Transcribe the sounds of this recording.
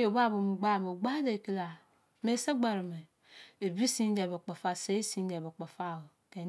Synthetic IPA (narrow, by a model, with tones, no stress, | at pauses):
o˨ba˦˨bo˨mu˨ɡ͡ba˦˨bo˨ɡ͡ba˦de˨ki˦la˨ | me˦sa˦ɡ͡ba˨ɾi˨me˨ | e˨bi˦si˦n˦de˨bo˨k͡pa˨fa˦˨se˦i˦si˦n˦de˨bo˨k͡pa˨fa˦˨o˨ | ke˨